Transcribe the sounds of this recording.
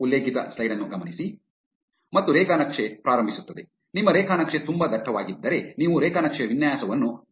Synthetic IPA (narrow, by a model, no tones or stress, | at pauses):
ulːeːkit̪ɐ̰slɐjɾɐnːuɡɐmɐnisi | mɐt̪ːuɾɛːkanɐkʂepɾaːɾɐmbʱisut̪ːɐd̪e | nimːɐɾɛːkʰaːnɐkʂet̪umbɐd̪ɐʈʰːɐʋaːɡid̪ːɐɾe̞niːʋuɾɛːkʰanɐkʂeʋinjaːsɐʋɐnːu